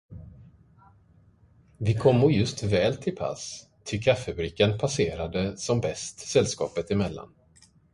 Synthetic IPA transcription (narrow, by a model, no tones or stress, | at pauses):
vɪkʰɔmːɔɾjɵst̪vɛːlt̪ʰɪlpʰa̰s | t̪ʰɪkʰafːəbɾiːkːənpʰaseːɾad̪əsɔmbɛst̪sɛlːskɑ̰ːpət̪ɪmɛlːa̰n